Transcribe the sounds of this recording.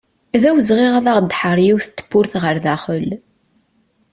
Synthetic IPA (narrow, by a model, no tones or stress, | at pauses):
ðæwəzʁiʁaðaʁd̪ːħəɾˤjiwθə̥t͡s̪ːə̥pːʊɾθʁəɾðæχəl